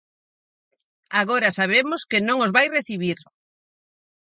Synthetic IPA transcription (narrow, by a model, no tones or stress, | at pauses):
aɣoɾɐsaβ̞emʊskɪnõŋozβajreθiβ̞iɾ